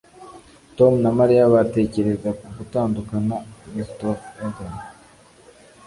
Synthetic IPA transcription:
to̞munamaɾijaβate̞ːce̞ɾe̞zakuɡutaːndukanamistoeɡan

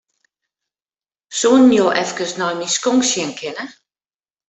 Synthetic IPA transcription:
sunnjoːʔɛfkəsnɔjmiskoŋksjɪnkʰɪnə

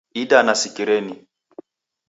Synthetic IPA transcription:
idanasikʼiɾɛni

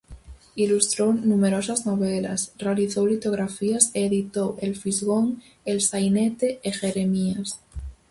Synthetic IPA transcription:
ilust̪ɾownũmeɾosazno̞β̞elasrealiθowlit̪oɣ̞ɾafiaseːðit̪owʔelfizɣoŋ | elsajnet̪eexeɾemias

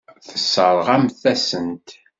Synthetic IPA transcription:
θəsːəɾˤʁæmθæsənt̪

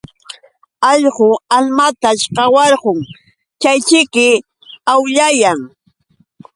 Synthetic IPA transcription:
ɑʎɢʊalmat̪aʃqɑwɑɾɢoŋ | t͡ʃajt͡ʃɪkɪ | awʎajaŋ

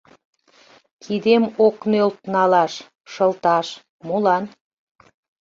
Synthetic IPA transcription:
kʰid̪emoknølt̪̚nɑlɑʃ | ʃəlt̪ɑʃ | mulɑn

